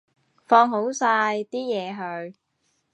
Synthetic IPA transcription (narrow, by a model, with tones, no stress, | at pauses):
fɔː˧ŋɦo˨˥wsaː˧jt̪iː˥jɛː˨˧ɦɵ˨˧ɥ